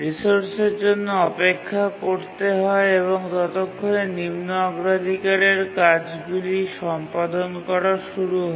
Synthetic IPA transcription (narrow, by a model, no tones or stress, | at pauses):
ɾisoɾseɾd͡ʑonːoɔpekʰːakoɾt̪eɦɔeeβoŋt̪ɔt̪okʰːonenimnoaɡɾad̪ʱikaɾeɾkad͡ʑɡuliʃɔmpad̪onkɔɾaʃuɾuɦɔ